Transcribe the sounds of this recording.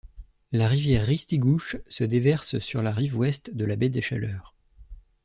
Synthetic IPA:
laʁivjɛʁːist̪iɡuʃsəd̪evɛʁssyʁlaʁivwɛst̪d̪əlabɛd̪eʃa̰lœːʁ

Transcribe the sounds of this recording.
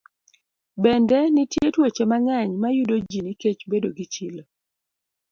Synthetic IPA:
bɛndɛnitjetwet͡ʃemaŋɛɲmajudod͡ʒiniket͡ʃbedoɡit͡ʃil

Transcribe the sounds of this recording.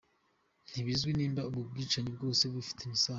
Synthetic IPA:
n̥hiβizɡwiniːmbauβub̚ɡiːt͡ʃaɲibɡo̞ːse̞βɡifi̥tʰemisa

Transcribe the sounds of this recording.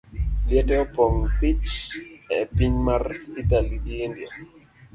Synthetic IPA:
ljɛtɛɔpɔŋpit͡ʃɛpiɲmarit̪aliiindja

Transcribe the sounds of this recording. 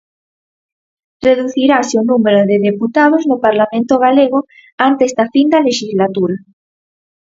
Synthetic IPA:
reðuθiɾasjonumeɾoðeðeput̪aðoznopaɾlamẽnt̪oɣaleɣ̞o | ant̪eest̪afind̪aleʃizlat̪uɾa

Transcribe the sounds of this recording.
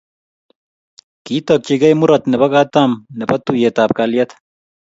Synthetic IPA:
kiːt̪ɐk̚t͡ʃiɡɐjmuɾɐt̪nebɐɡaːt̪amnepɐt̪ːujet̪aːp̚kaːlijɐt̪

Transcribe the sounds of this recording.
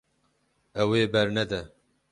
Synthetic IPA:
ɛweːbɛɾnɛd̪ɛ

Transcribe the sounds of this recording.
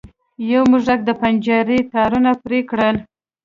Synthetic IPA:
jawmuʐɾak̚d̪əpand͡ʒɑɾit̪ɑɾunapɾekɽəl

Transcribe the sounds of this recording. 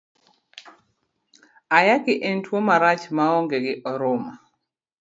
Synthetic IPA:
ajaɡɪʔentwomaɾat͡ʃmaɔŋɡeɡɪʔɔɾʊma

